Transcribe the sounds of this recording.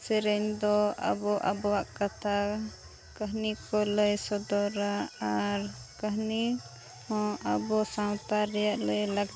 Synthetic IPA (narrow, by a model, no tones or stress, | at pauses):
sɛɾɛɲd̪ɔʔa̰bɔʔa̰bɔwaʔkat̪ʰa | kəɦnikɔləjsɔd̪ɔɾaaɾkəɦni | hɔ̃ʔabɔsaw̃t̪aɾɛjaʔləjlaɡ